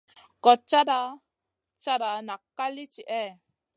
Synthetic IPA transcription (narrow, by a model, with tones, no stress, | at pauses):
kɔ˨t͡ʃːa˦ɾa˧ | t͡ʃa˦ɾa˨na˨kːa˦li˦t͡ʃi˨ʔɛ˦˨